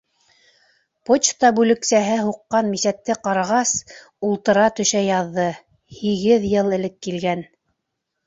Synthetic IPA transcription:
pot͡ɕt̪ɑbʉlɘ̆ksæɦɘɦuqːɑnmisæt̪ːɘqɑɾɑʁɑs | ulˠt̪ɤ̆ɾɑt̪ɵ̆ʃæjɑðːɤ | hiɣɘðjɤlˠɘ̆lɘkːilɡæn

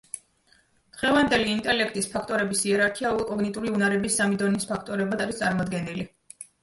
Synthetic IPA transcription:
d̪̥ʁɛvand̪ɛliːnt̪ʼɛlɛkʰt̪ʼispʰakʰt̪ʼɔɾɛbisiɛɾaɾkʰiaulˠkʼɔɡnit̪ʼuɾiunaɾɛbisːamid̪ɔnispʰakʰt̪ʼɔɾɛbmad̪aɾist̪sʼaɾmɔd̪ɡɛnili

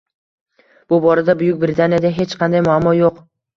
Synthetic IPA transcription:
b̥ʊbɒɾad̪abʊjʊk̚ʲbɾɪt̪ʰanijad̪aɦe̞t͡ʃqʰɑnd̪ajmʊamːɒjoq

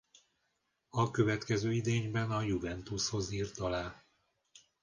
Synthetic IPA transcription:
ɒkø̞vɛt̪kɛzøːid̪eːɲbɛnɒjuvɛnt̪usho̞ziːrt̪ɒlaːl

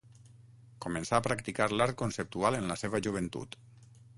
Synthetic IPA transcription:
kumensaːpɾakt̪ikaɾlaɾt̪̚konsep̚t̪ualənləseβ̞əʒuβ̞ent̪ṵt̪

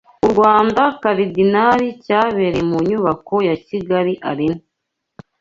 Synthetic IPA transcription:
uɾɡwaːndakaβidinaɾicaːβe̞ɾemuɲuβako̞jaciɡaɾiʔa̰ɾino

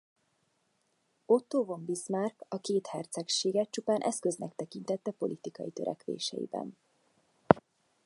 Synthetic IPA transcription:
o̞t̪ːoːvo̞mbismarkɒkeːt̪hɛrt̪sɛkʃeːɡɛtt͡ʃupaːnʔɛ̰skø̞znɛkt̪ɛkint̪ɛt̪ːɛpo̞̰lʔit̪ikɒjit̪øɾɛ̰kʋḛːʃɛ̰jḭbɛ̰n

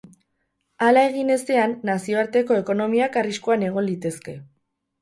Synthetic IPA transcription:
alae̞ɣine̞st̪e̞anːasio̞aɾt̪e̞ko̞e̞ko̞no̞miakariskuane̞ɣ̞o̞nlit̪e̞ske̞

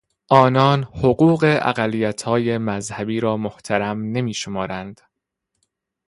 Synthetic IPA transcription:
ʔɒːnɒːnhoɢuːɢe̞ʔæ̰ɢælːijæt̪ʰhɒːje̞mæzhæbiːɾɒːmoht̪ʰæɾæmne̞miːʃomɒːɾænd̪̥

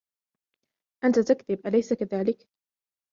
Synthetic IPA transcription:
ʔant̪at̪akðɪbʔalajsakaðaːlɪk

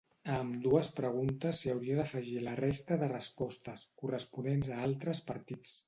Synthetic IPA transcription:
əmd̪uəspɾəɣ̞unt̪əsːiəwɾiəðəfəʒilərest̪əðərəspɔst̪əskurəspunenzəalˠt̪ɾəspəɾt̪it͡s

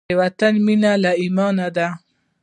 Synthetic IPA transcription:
ewat̪anminalaimɑːnad̪a

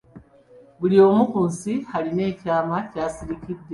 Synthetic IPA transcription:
βuɾijo̞mukuːnsihaɾine̞ːcaːmacaːsiɾikidːe

